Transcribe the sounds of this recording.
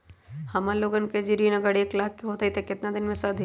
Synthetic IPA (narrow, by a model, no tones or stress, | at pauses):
hɐmaloːɡənked͡ʒiɾinɐɡɐɽeːklaːkːeɦoːt̪ait̪ekɪt̪nad̪ɪnmẽsɐd̪ʱ